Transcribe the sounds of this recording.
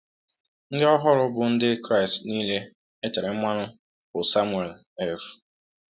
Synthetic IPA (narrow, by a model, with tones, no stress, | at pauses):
n̩˦dɪ˦ɔ˦ɦɔ˦ɾʊ˦bʊ˨n̩˦dɪ˦kɾa˦ɪ˨stniː˦le˦ | e˦te˨ɾe˨m̩˦ma˦nʊ˦ | kʊ˨sa˦mwe˨l | e˦fu̥˨